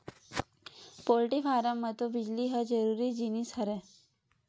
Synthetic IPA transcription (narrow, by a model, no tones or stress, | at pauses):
poːlʈifaːɾəmːət̪obɪd͡ʒliɦəd͡ʒəɾuːɾid͡ʒinisɐɾɛ